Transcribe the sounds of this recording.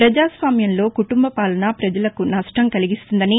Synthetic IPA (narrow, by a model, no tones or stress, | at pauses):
pɾɐd͡ʒaːsʋaːmjɐnlo̞ːkuʈumbɐpaːlɐnapɾɐd͡ʒɐlɐkunɐʂʈɐmkɐliɡist̪und̪ɐni